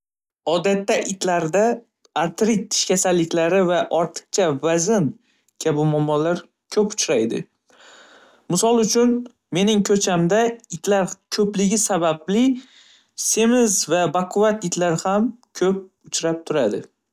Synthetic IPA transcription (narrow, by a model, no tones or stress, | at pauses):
ɒd̪at̪ːaʔɪt̪laɾd̪a | aɾt̪ɾɪt̪ʰːɪ̥ʃkʲʰasalːɪkʲlaɾɪvaʔɒɾt̪ʰɨ̥q̚t͡ʃʰavazɪn | kʲʰabɪmɒmːɒlaɾ | kʲʰɵpʊt͡ʃɾajd̪ɪ̰ | mɪsɒlˠʊt͡ʃʰʊn | me̞nɪŋkʰɵt͡ʃʰamd̪aɪt̪laɾkʲʰɵplɪɡʲɪsabablɪ | se̞mɪzvabaqʰʊvat̪ɪt̪laɾɪhamkʲʰɵp̚ | ʊt͡ʃɾap̚t̪ʰʊɾad̪ɪ